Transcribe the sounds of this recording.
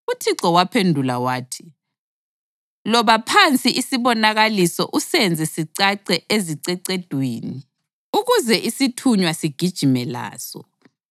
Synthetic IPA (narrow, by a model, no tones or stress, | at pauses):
utʰiǀɔwapʰendʱulawaːtʰi̥ | lɔβapʰant͡sʼiʔisiβɔnaɣalisɔ̰ʔusɛnd͡zʱɛsiǀaǀɛʔeziǀɛǀɛd̥ʱweːni | uɣuzɛʔisitʰuɲwasiɡ̥ʱid̥ʒ̥ʱimɛla̰ːsɔ̰